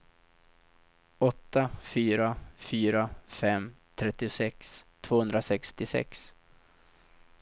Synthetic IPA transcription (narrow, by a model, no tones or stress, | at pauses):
ɔt̪ːafyːɾafyːɾafɛmt̪ʰɾɛt̪ːɪsɛkst̪ʰv̥oːhɵnd̪ɾasɛkst̪ɪsɛ̰ks